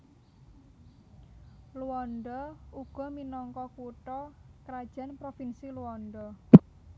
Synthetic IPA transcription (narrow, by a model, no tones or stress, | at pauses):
luɔnɖɔuɡ̥ɔ̤minɔŋkɔkuʈɔkɾad̥ʒ̥ä̤npɾofinsiluɔnɖɔ